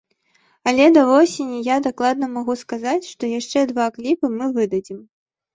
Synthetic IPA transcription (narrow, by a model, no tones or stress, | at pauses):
ɐlʲɛd̪ɐvɔsʲenʲːijad̪aklˠad̪nɐmaɣuskazat͡sʲʂt̪ɔjaʂt͡ʂɛd̪vaklʲipɨmɨvɨd̪ɐd͡zʲim